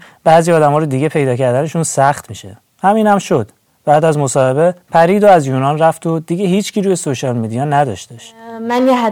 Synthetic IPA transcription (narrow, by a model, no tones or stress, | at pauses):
b̥æːziːɒːd̪æmɒːɾod̪iɟe̞pʰe̞jd̪ɒːcʰæɾd̪æne̞ʃuːnsæxt̪miʃḛ | hæmiːnhæmʃod̪̥ | b̥æːd̪æzmo̞sɒːhe̞be̞pʰæɾiːd̪oæzjunɒːnræft̪ʰod̪iɟeɦiːt͡ʃcʰiːɾujesoʃɒlmid̪ijɒnæd̪ɒ̰ʃd̪eʃmænjeɦ